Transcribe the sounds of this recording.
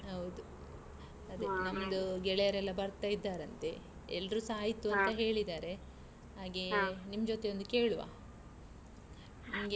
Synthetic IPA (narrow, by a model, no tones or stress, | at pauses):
ɦɐwd̪u | ɐd̪enɐmd̪uɡɛɭejɐɾɛlːɐbɐɾt̪aːjid̪ːaːɾɐnt̪e̞ | ɛlːɾuːsaːjit̪ːuɐnt̪ɐɦe̞ːɭid̪aːɾe̞ | ɦaːɡenimɐd͡ʒot̪e̞ond̪uke̞ːɭuʋa̰ː | nɐmɡe